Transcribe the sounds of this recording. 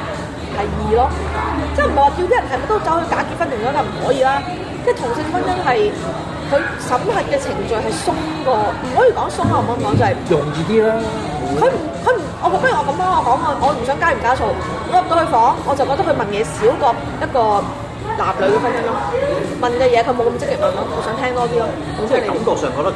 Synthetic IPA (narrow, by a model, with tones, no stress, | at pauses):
t̪ɐ˨jjiː˨˩lɔː˥t͡sɛː˥jm̩˨˩hɐ˨jwaː˨˧t̪i˧wt̪i˥jɐ˨˩nhɐ˨jm˨˩t̪o˥wt͡sɐ˨˥whɵ˧ɥkaː˨˥ki˧t̚fɐ˥nʰɪ˨˩ŋtɔː˨˥t͡sɐ˨˩m̩˨˩hɔː˨˥jiː˧laː˥ | t͡sɛː˥˩jt̪ʰʊ˨˩ŋsɪ˧ŋ˧fɐ˥njɐ˥ŋɦɐ˨j | kʰɵ˨˧ɥ | sɐ˨˥mhɐ˨t̚kɛː˧t͡sʰɪ˨˩ŋt͡ʃɵ˨˧ɥɦɐ˨jsʊ˥ŋ | kɔː˧m̩˨˩ɔː˨˥jiː˧kɔː˨˥ŋsʊ˥ŋhaː˨ɔː˨˥m̩˨kɔː˨˥ŋt͡sɐ˨hjʊ˨˩ŋjiː˨˧t̪iː˥laː˦˥ | kʰɵ˨˧˥kʰɵ˨˧˥m̩˨˩ɔː˨˧kɔː˧t̪ɐ˥˨˩ŋɔː˨˧kɐ˧˥mlɔː˥ŋɔ˨˧kɔː˨˥ŋɔː˧ʔɔː˨˧m̩˨˩sœː˨˥ŋkaː˥jkaː˥sʰo˧w | ŋɔː˨˧˥kɔː˧lɵ˧fɔː˨˥ŋɔː˨˧t͡sɐ˨wkɔː˧t̪kʰhʰɥmɐ˨njɛː˨˧siː˨˥wkɔː˧ | jɐ˥t̚kɔː˧ | laː˨p̚lɵ˨˧ɥkɛː˧fɐ˥njɐ˥ŋɔ˥mɐ˨nkɛː˧jɛː˨˧kʰɵ˨˧ɥmo˨˧wkɐ˧mt͡sɪ˥kːɪ˨˩k̚mɐ˨˩nɔ˥m˨o˨˧˥sœː˨˥ŋt̪ʰɛː˥ŋt̪ɔː˥t̪iː˥lɔː˥ | kʰɔ˨˥t͡sɛː˥˨˥ne˨kɐ˨˦mkʊ˨sœː˨˩ŋkɔː˨˧˥t̪